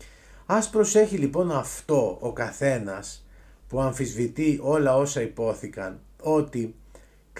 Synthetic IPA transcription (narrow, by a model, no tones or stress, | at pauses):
ɐspɾo̞se̞çilipo̞nɐft̪o̞okɐθe̞nɐs | puɐɱfizvit̪iʔo̞lɐo̞sɐipo̞θikɐn | o̞t̪i | k